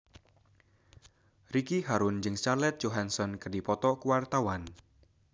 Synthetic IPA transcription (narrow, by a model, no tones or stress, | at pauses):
rikiɦaɾʊnd͡ʒɨŋst͡ʃarlɛt̪̚d͡ʒoɦansɔnkərdipɔt̪ɔkuwart̪awan